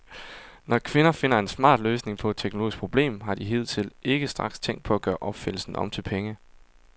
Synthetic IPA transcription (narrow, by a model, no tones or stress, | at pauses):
nɒkʰʋe̝nɐfe̝n̰ɐe̝nsmɑ̰̈ːd̥løːsne̝ŋpʰɒ̽ed̥̚t͡sʰeɡ̥no̝lo̝ːisɡ̥pʰʁo̝b̥le̝̰ːmɦɑ̈d̥iɦe̝ð̰ˠt͡sʰe̝lʔe̝ɡ̥əsd̥ʁɑ̈ɡ̥st͡sʰeŋ̰d̥̚pʰɒ̽æɡ̥ɶːɐʔɒ̽b̥fel̩sn̩ɒ̽mt͡sʰe̝lpʰeŋə